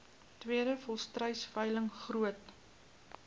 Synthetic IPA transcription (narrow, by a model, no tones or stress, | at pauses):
twiəɾəfɔlˠstrəjsfəjləŋχruət